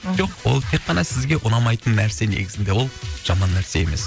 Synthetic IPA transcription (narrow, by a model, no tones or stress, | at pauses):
ʒo̞qwo̞̰lˠt̪ʰe̞qqːɑnɑsɪzɡʲe̞ʔʊnɑmɑjt̪ənːæɾse̞ne̞̰ɡʲɪzɪnd̪e̞wo̞lˠʒ̥ɑmɑnːæɾse̞e̞̰me̞s